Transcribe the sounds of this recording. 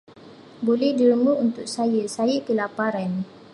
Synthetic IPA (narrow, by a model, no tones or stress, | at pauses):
bolɛhdiɾəmuunt̪ʊk̚sajəsajəkəlapaɾan